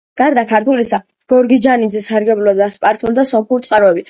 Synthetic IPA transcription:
ɡ̥aɾd̪akʰaɾt̪ʰulisa | ɡ̥ɔɾɡid͡ʒanid̪zɛsaɾɡɛblɔd̪aspʼaɾt̪ʰʼuld̪asɔmχuɾt̪sʼqʼaɾɔɛbit̪ʰ

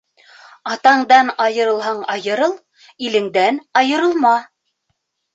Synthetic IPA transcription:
ɑt̪ɑɴd̪ɑnɑjɤ̆ɾɤ̆lˠɦɑɴɑjɤ̆ɾɤlˠ | ilɘ̆ŋd̪ænɑjɤ̆ɾɤ̆lˠmɑ

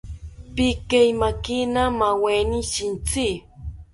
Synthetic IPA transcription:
pikajmakinamawenisɪnt͡si

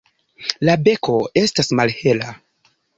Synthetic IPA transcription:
labe̞kʰo̞e̞stasmalhe̞la

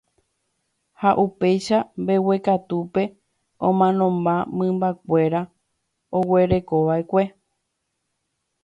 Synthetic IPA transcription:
haʔupe̞jʃambe̞we̞kat̪upe̞ | õmãnõ̞mbamɨ̃mbak̚ʷe̞ɾa | o̞we̞ɾe̞ko̞ʋaekʷe̞

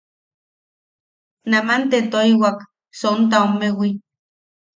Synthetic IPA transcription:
namant̪et̪oiwak | sont̪̬aomewi

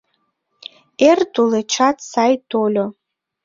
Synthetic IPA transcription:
erduleʈ͡ʂʰatʰsajdʰolʲo

